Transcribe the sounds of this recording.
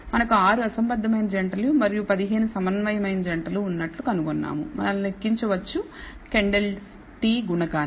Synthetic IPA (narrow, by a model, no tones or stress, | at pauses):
mɐnɐkuaːɾuɐsɐmbɐd̪ʱːɐmɐjnd͡ʒɐɳʈɐlumɐɾijupɐd̪iɦe̞ːnusɐmɐnʋɐjɐmɐjnd͡ʒɐɳʈɐluːnːɐʈlukɐnukonːa̰ːmumɐ̰nɐlnekːiɲt͡ʃɐʋɐt͡ʃːu | keɳɖel | ʈiːɡuɳɐkaːn